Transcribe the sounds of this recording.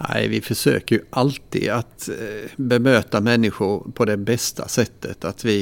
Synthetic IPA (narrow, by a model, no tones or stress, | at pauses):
næ̰ɪvɪfœʂø̰ːkəɾjɵʔalt̪ḭːd̪at̪bɛmøːt̪amɛnːɪɧʊɾpʰɔd̪ɛbɛst̪ʰa̰sɛt̪ʰːət̪ʰat̪vɪ